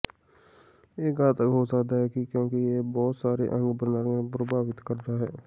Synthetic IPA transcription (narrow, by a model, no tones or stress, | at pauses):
eːɡaːt̪əkɦoːsəkd̪aːɦɛːkikjõːkijeːbɔːt̪saːɾḛʔə̃ŋɡbənaːɾepɾəbʱaːʋɪt̪kəɾd̪aːɦɛː